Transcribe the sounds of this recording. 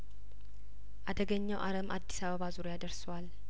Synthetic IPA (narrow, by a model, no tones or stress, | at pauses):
ʔad̪əɡəɲːəwʔaɾəma̰d̪ːisaβəβazuɾojad̪əɾsəwal